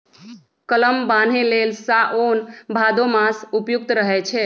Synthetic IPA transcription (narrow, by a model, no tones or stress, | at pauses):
kələmban̤ẽlelsaʔonbʱad̪omasupjuk̚t̪ɾəɦɛt͡ʃʰɛ